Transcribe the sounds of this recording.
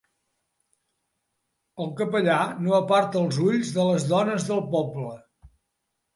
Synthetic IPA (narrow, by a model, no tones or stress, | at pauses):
əlˠkəpəʎanoəpaɾt̪əlˠzuʎzðələzðɔnəzðəlˠpɔblə